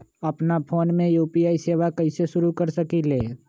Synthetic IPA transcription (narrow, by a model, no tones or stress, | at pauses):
ɐpnapʰoːnmẽjuːpiaːiseːʋakəɪseʃʊɾukəɾsəkileː